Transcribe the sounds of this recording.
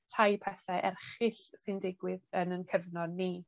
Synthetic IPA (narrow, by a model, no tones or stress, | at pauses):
ɬajpʰɛθɛʔɛrχɪɬsɨndɪɡwɪðənənkʰəvnɔniː